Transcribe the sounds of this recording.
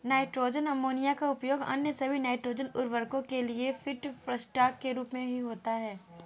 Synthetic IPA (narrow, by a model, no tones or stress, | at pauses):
naːɪʈɾoːd͡ʒənɐmoːnijakaʊpjoːɡɐ̰njəsɐbʱinaːɪʈɾoːd͡ʒənʊɾʋəɾkõkeliefɪʈfɾəsʈaːkːeɾuːpmẽbʱiɦoːt̪aɦɛː